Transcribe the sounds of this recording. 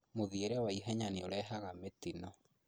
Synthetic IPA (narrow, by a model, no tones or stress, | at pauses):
moðieɾɛwaiɦɛɲaneoɾɛɦaɣametinɔ